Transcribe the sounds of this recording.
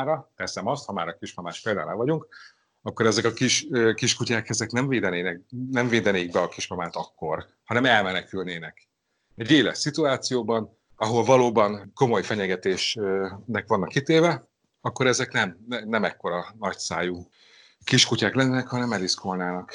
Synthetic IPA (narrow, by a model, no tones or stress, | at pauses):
ɾɒt̪ɛsɛmɒst̪hɒmaːɾɒkiʃmɒmaːʃpeːld̪aːlɛvɒɟuŋk | ɒkːo̞ɾɛzɛkɒkiʃøkiʃkucaːkɛzɛknɛɱveːd̪ɛneːnɛk̚nɛɱveːd̪ɛneːɡ̚bɛɒkiʃmɒmaːt̪ɒkːo̞r | hɒnɛmɛlmɛnɛkylneːnɛk | ɛɟeːlɛ̰ʃsit̪uaːt̪sijoːbɒn | ɒɦo̞lvɒloːbɒnko̞mo̞jfɛɲɛɡɛt̪eːʃnɛkʋɒnːɒkːit̪eːvɛ | ɒkːo̞ɾɛzɛknɛmɛnɛmɛkːo̞ɾɒnɒcsaːju | kiʃkucaːklɛnːɛnɛkhɒnɛmɛɾiskolnaːnɒk